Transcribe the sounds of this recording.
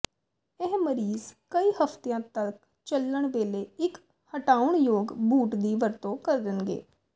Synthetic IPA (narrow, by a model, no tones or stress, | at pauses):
eɦməɾiːzkəiːhəpʰt̪ejãːt̪ək̚ | t͡ʃəlːəɳʋeːleːɪk | həʈaːʊɳjoːɡbuːʈd̪iːʋəɾt̪õːkəɾd̪ɪnɡḛː